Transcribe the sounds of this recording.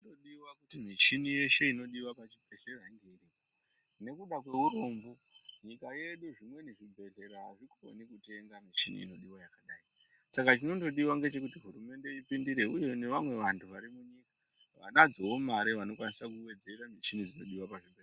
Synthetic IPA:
toɗiwakutimit͡ʃinije̞ʃe̞ino̞ɗiwapat͡ʃipeʃeraŋɡeri | ne̞kuɗak̬we̞ɦuɾombu | ɲikaje̞ɗuʐimwe̞neʐibʱe̞ɮe̞ɾaɦaʐiko̞̰nikute̞ŋɡamit͡ʃinḭḭno̞ɗiwajakaɗai | sakat͡ʃino̞to̞ɗiwaŋɡe̞t͡ʃe̞k̬utiɦuɾume̞nde̞ipindiɾe̞uje̞ne̞ʋamwe̞ʋantʰuʋaɾimuɲika | ʋa̰nad͡zowo̞maɾeʋano̞kwanisakuwe̞d͡zeɾamit͡ʃinid͡zino̞ɗiwapaʐibʱe

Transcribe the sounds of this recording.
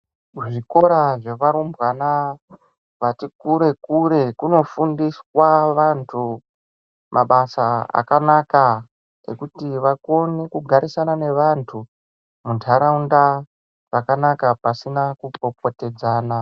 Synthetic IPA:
ʐiko̞ɾaʐe̞ʋaɾumbɣana | ʋatikuɾe̞kuɾe̞kuno̞fundiswaʋantʰu | mʔaɓasaa̰kanaka | ḛkutiʋako̞nikuɡʱaɾisanane̞ʋantʰu | muntʰaɾaunda | rakanakapasinakuko̞p̚o̞te̞d͡zaːna

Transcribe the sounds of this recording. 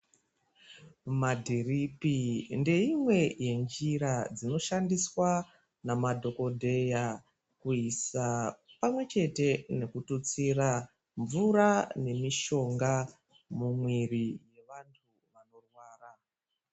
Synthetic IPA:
madʱiripinde̞imwe̞je̞nd͡ʒiɾad͡zino̞ʃandiswa | namadʱo̞ko̞dʱe̞ja | kuisapamwe̞t͡ʃe̞te̞ne̞kutut͡sira | ɱvuɾane̞miʃo̞ŋɡa | mumwirije̞ʋantʰu | ʋano̞rwaːra

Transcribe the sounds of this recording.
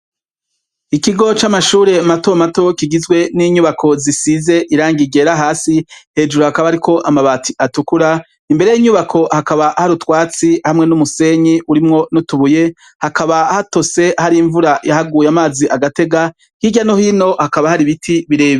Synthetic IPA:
ikiɡo̞t͡ʃamaʃuːɾe̞matomato̞kiɡizɡwe̞niːɲuβakʰo̞zisize̞ʔiɾaːŋɡiɡeːɾaɦaːsihe̞ːd͡ʒuɾohakaβaaɾikʰo̞ʔamaβaːtiatukuɾa | imbe̞ɾejiɲuβakʰo̞hakaβahaɾutwaːt͡sihamŋe̞numuse̞ɲiʔuɾimŋo̞nutuβuje̞ | hakaβahato̞se̞haɾiɱvuɾajahaɡuːjamaːziʔaɡate̞ɡa | hiɟano̞hino̞hakaβahaɾiβitʰiβiɾe̞ːβi

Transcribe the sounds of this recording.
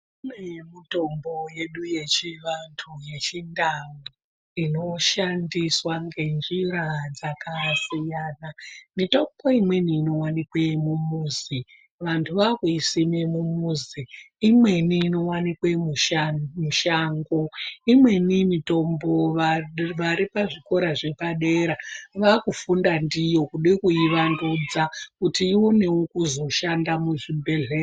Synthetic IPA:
inemito̞mbo̞je̞ɗuje̞t͡ʃiʋantʰuje̞t͡ʃindawu | ino̞ʃandiswaŋɡe̞nd͡ʒiɾad͡zakasijaːnamito̞mbo̞imwe̞niːno̞wanikwemumuːzi | ʋantʰuʋakwuisimemumuziː | mwe̞niːno̞wanikwemuʃmuʃaːŋɡo̞imwe̞nimito̞mbo̞ʋaʋaɾipaʐiko̞ɾaʐe̞paɗeɾaʋakufundandijo̞kuɗekuiʋandud͡zakutiiwo̞ne̞wokuzo̞ʃandamuʐibʱe̞ɮe

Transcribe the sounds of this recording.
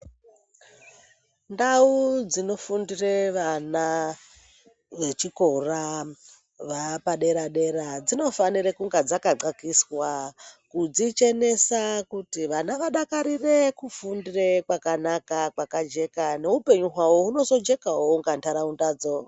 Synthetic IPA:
ndaud͡zino̞fundireʋana | ʋe̞t͡ʃiko̞ra | ʋapaɗe̞ɾaɗe̞ɾad͡zino̞fanirekuŋɡad͡zakaǃakiswakud͡zit͡ʃe̞ne̞sakutiʋanaʋaɗakaɾire̞kufundire̞kwakanakakwakad͡ʒe̞kaneupe̞ɲuɦwawouno̞zo̞d͡ʒe̞kaɦoŋɡantʰaɾaundaːd͡zo

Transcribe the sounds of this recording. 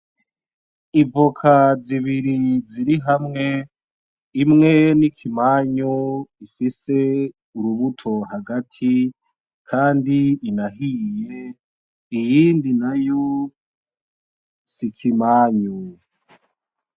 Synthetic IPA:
ivokʰaziβiɾiziɾiɦamŋe̞ | imŋe̞nikʰimaːɲuifise̞ | uɾuβutʰo̞haɡatʰi | kʰaːndiːnaɦije̞ | ijiːndinajo | sikʰimaːɲu

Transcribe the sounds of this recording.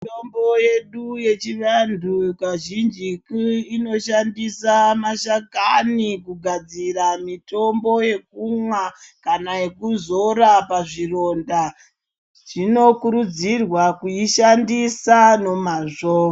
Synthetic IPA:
itombo̞je̞ɗuje̞t͡ʃiʋandʱukaʒind͡ʒikino̞ʃandisamaʃakanikuɡʱad͡ziramito̞mbo̞je̞k̚umwakanaekuzo̞ɾapaʐiro̞nda | ʐ̥ino̞kuɾud͡zirwakuiʃandisano̞maʐoːa

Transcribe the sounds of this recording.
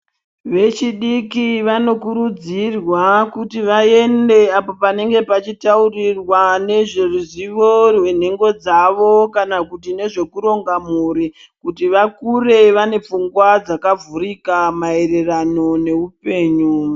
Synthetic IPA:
ʋe̞t͡ʃiɗikiʋano̞kuɾud͡zirwakutiʋae̞nde̞apo̞pane̞ŋɡe̞pat͡ʃitaurirwane̞ʐeruziʋo̞rwe̞n̤e̞ŋɡo̞d͡zaʋo̞kanakutine̞ʐe̞kuɾo̞ŋɡamuːɾi | kutiʋakure̞ʋane̞p͡fuŋɡwad͡zakavurikamae̞re̞rano̞ne̞upe̞ːɲu

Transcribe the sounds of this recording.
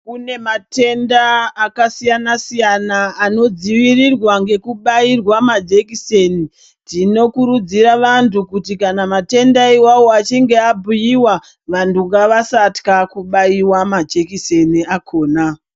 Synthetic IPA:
kune̞mate̞ndaːkasijanasijanaːno̞d͡ziʋirirwaŋɡe̞kuɓairwamad͡ʒekiseni | tino̞kuɾud͡ziɾaʋantukutikanamate̞ndaiwawo̞at͡ʃiŋɡe̞abʱujiwa | ʋantuŋɡaʋasatkakuɓaiwamad͡ʒe̞kiseniakʰo̞ːna

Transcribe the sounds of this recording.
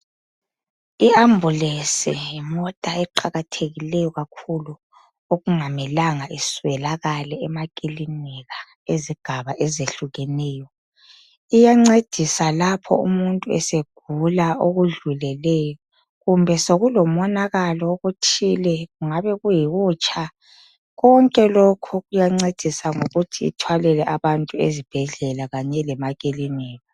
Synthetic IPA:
iambʱulesijimɔtʼaɛǃaɣatʰeɣilɛjɔɣakʰulu | oɣuŋamɛlaŋaʔiswɛlaɣalɛɛmakʼilinɛɣa | eziɡ̥ʱaβaʔezeɬuɣɛnɛːjɔ | ijaŋ͡ǀed̥ʱisalapʰɔ̰ṵmuntʼuɛseɡ̥ʱulaoɣuɮulɛlɛjɔ | ɣumbʱɛsoɣulɔmɔnaɣalɔoɣutʰilɛɣuŋaβɛɣujiɣuːt͡ʃʰʼa | ɣɔŋkʼɛlokʰuɣujaŋ͡ǀed̥ʱisaŋoɣutʰḭːtʰwalɛlɛʔaβantʼuezib̥ʱɛɮɛlaɣaɲɛlɛmaɣʼilimɛːɣa

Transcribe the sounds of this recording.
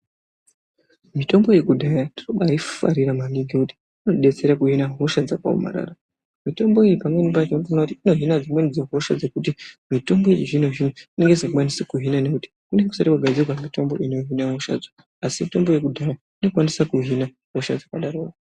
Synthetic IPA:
mito̞mbo̞je̞kudʱajaniroɓaifa̰ɾiɾamaniɡikuti̥ | unoɗe̞t͡se̞ɾakuɦinaɦo̞ʃad͡zakwa̰o̰ma̰ɾa̰ra | mito̞mbo̞ijipamwe̞nimpatinfonakutiino̞ɦinad͡zimwenid͡zoɦo̞ʃad͡ze̞kut̬imito̞mboiiʐinoʐinuine̞ŋɡezakukwanisikuɦinane̞kuti̥kuneeku̥saɾikaɡʱad͡zirwamito̞mbo̞inoɦinaɦoʃa̰d͡zo | asimito̞mbo̞je̞kudʱaja | ino̞kwanisakuɦina | ɦo̞ʃa̰d͡zakaɗaɾoːra

